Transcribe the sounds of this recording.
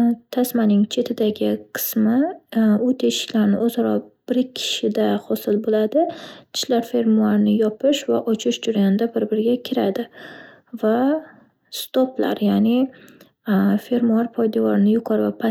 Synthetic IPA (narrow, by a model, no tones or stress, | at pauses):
t̪ʰasmanɪŋt͡ʃʰe̞t̪ʰɪd̪aɡʲɪqʰɨ̥smɪʊt̪ʰe̞ʃɪ̥kʲlaɾnɪozaɾɒb̥ɪɾkʲʰːɪ̥ʃɪd̪ahɒsɪlbolad̪ɪt̪ʰɪ̥ʃlaɾfe̞ɾmuaɾnɪjɒpʰɪʃvaʔɒt͡ʃʰɪʃd͡ʒʊɾjanɪd̪abɪɾbɪɾɡʲakʲʰɪɾad̪ɪ | va | st̪opla̰ɾjanɪ | fe̞ɾmuaɾpʰɒjd̪avɒɾnɪjʊqʰɒɾvapʰa